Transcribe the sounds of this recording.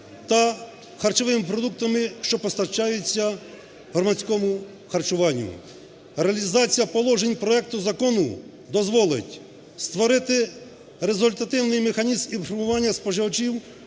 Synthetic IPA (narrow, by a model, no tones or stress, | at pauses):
t̪ɐ | xɐrt͡ʃɔʋɪmɪpɾɔd̪uk̚t̪ɐmɪʃt͡ʃɔpɔst̪ɐt͡ʃɑjʊt͡sʲːɐ | ɦɔrmɐsʲkɔmʊ | xɐrt͡ʃʊʋɑnʲːʊ̰ | ɾeɐlʲizɑt͡sʲijɐpɔlˠɔʒenʲpɾɔɛk̚t̪ʊzɐkɔnʊ | d̪ɔzʋɔlˠɪ̰tʲ | st̪ʋɔɾɪt̪ɪ | ɾezʊlʲt̪ɐt̪ɪwnɪjmexɐnʲizminfɔɾmʊʋɑnʲːɐspɔʒɪʋɔt͡ʃiw